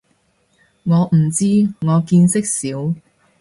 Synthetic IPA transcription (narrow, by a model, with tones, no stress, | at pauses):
ŋɔː˨˧m̩˨˩t͡siː˥ŋɔː˨˧kiː˧nsɪ˥k̚siː˨˥w